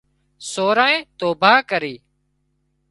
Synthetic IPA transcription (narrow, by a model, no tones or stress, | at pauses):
soːɾaːẽːt̪oːbʱaːkəɾiː